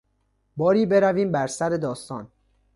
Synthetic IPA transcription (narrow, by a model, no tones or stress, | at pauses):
bɒːɾiːbe̞ɾæviːmbæɾsæɾe̞d̪ɒːst̪ɒ̰ːn